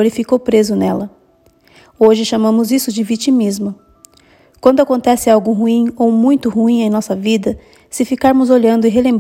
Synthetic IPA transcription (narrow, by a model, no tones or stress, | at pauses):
oɾɪfikowpɾezʊnɛlɐ | oʒɪʃamɐ̃mʊzisʊd͡ʒɪvit͡ʃimizmʊ | kwɐ̃nd̪ʊakõnt̪ɛsɪawɡʊɦuĩowmũj̃t̪ʊhuĩẽj̃nɔsɐvid̪ɐ | sɪfikaɾmʊzoʎɐ̃nd̪ʊɪɦelẽmb